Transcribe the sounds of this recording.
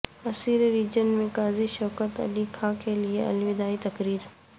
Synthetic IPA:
ɐsiːɾɾiːd͡ʒənmẽkaːziʃɔːkət̪ɐ̰likʰaːkʰelieʔɐ̰lʋɪd̪aːit̪ɐkɾiːɾ

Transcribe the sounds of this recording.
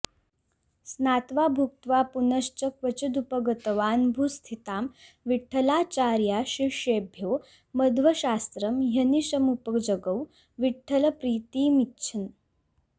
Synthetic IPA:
snat̪ʋabʱuk̚t̪ʋapunəɕt͡ɕəkʋət͡ɕɐd̪upəɡət̪əʋanbʱust̪ʰit̪am | ʋiʈʰːəlat͡ɕaɾjaɕiɕebʱjoː | əd̪ʋəɕast̪ɾəmɦjənisəmupəkd͡ʑəɡəw | ʋiʈʰːələpɾiːt̪iːmitːɕʰin

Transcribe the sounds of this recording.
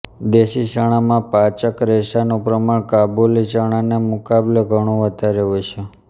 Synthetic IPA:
d̪eʃiʃəɽ̃amãpat͡ʃəkɾeʃanũpɾəmaɳkabuliʃəɽ̃anemukableɡʱəɽ̃ũʋət̪aɾeʋut͡ʃʰe

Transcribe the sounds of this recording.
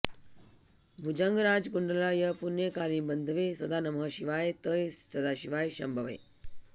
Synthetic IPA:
bʱud͡ʒəŋɡɾad͡zɡuɳɖəlajɐpunjekaɾĩbənd̪ʱʋesɐd̪aːnɐmɦəɕiʋaːjt̪əesɐd̪aɕiʋaːjɕɐmbʱəʋḛ

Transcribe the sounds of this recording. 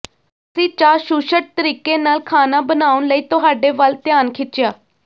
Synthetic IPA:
əsĩːt͡ʃaːɾʃuːʃəʈ̚t̪əɾiːkeːnaːlkʰaːnaːbənaːʊnləiːt̪ʊɦaːɖeːʋəlt̪ɪjaːnkʰɪt͡ʃɪjaː

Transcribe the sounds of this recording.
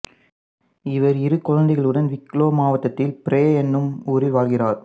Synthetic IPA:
ɪʋɐɾɪɾɯkːɔɻɐnd̪ɪɣɐɭɯɽɐnʋɪkːloːmaːʋɐt̪ːɐt̪ːɪlpɪɾeːɛnːɯmuːɾɪlʋaːlɣɪraːɾ

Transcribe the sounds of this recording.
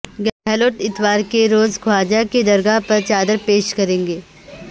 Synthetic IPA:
ɡɛːɛloːʈɪt̪ʋaːɾkeɾoːzɡʱwaːd͡ʒaked̪ɐɾɡapɐɾt͡ʃaːd̪əɾpeːʃkɐɾẽːŋ̆ɡeː

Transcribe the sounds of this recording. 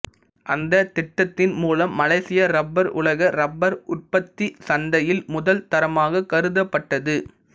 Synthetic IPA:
ʔɐnd̪ɐt̪ɪʈːɐt̪ːɪnmuːlɐmːɐlɐɪsɪjɐɾɐbːɐɾʊ̰lɐɣɐɾɐbːɐɾʊʈ̚pɐt̪ːisɐnd̪ɐjɪlmʊðɐlt̪ɐɾɐmaːɣɐkːɐɾɯðɐpːɐʈːɐðɯ

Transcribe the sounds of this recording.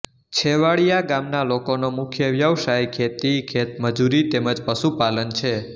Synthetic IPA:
t͡ʃʰeʋaɭijaɡamnalokonomʊkʰjəʋjəʋʃajkʰet̪ikʰet̪məd͡ʒuɾit̪eməd͡ʒpəʃupalənt͡ʃʰe

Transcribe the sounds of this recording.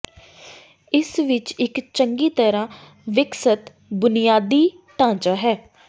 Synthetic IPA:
ɪsʋɪt͡ʃɪkt͡ʃəŋɡiːt̪əɾãː | ʋɪksət̪ | bʊnɪjaːd̪iː | t̪ãːd͡ʒaːɦɛː

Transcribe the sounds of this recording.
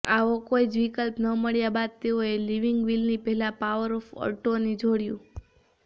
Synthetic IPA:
aʋokoid͡ʒʋikəlpnəməɭjabad̪̚t̪eoeliʋiŋɡʋilnipɛɦɛlapaʋəɾɔfɔ̰ɾʈoned͡ʒoɽjṵ̃

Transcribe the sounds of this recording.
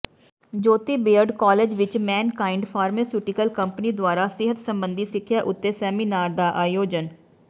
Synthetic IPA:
d͡ʒoːt̪iːbeːəɾɖkaːleːd͡ʒʋɪt͡ʃmɛːnkaːɪɳɖpʰaːɾmeːsjuːʈɪkəlkəmpəniːd̪ʊaːɾaːsɪɦət̪səmbənd̪iːsɪkʰːjaːʔʊt̪ːeːsɛːmiːnaːɾd̪aːʔaːjoːd͡ʒən

